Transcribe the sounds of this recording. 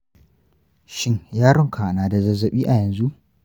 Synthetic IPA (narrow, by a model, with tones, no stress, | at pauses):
ʃɪ˦ɲjaː˦ɽɔ˦ŋkʰaː˨naː˨da˨zɐ˦zɐ˨ɓiː˦ʔa˨jɐ˨nzu˦ʔ